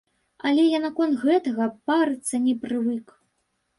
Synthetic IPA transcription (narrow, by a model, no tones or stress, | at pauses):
ɐlʲɛjanakɔnt̪ɣɛt̪ɐɣɐpaɾɨt̪sːɐnʲɛpɾɨvɨk